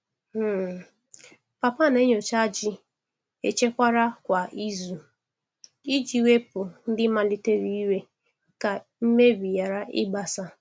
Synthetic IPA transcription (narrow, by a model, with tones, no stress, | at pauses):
m̩˦˨ | pa˨pa˦˨ne˦ɲo˨t͡ʃa˦d͡ʒɪ˦ | ḛ˨t͡ʃe˦kʷa˦ɾa˦kʷa˨ʔi˦zu˨ | i˦d͡ʒi˨we˦pʊ˨n̩˦dɪ˦ma˨li˦te˦ɾi˦i˦we˦ | ka˨m̩˦me˦bi˨ja˨ɾa˦ʔɪ̰˦ɡ͡ba˨sa˦